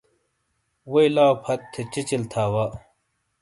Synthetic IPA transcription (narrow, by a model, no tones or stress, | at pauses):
wejlaːwpʰɐt̪ʰːet͡ɕit͡ɕilt̪ʰaːwa